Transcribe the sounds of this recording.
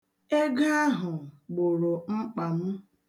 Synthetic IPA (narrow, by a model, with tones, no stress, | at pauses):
e˦ɡa˦a˦ɦʊ˨ɡ͡bʊ˨ɾʊ˨ŋ͡m̩˦k͡pa˨m̩˦